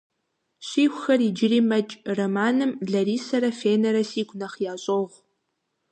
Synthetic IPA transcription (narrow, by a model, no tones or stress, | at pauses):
ɕiːxʷxɐriːd͡ʒɪriːmɐt͡ʃʼrɐmaːnɨmɮɐɾiːsɐɾɐfeːnɐɾɐsiːɡʷʼnɐχjaːɕʼoʁʷ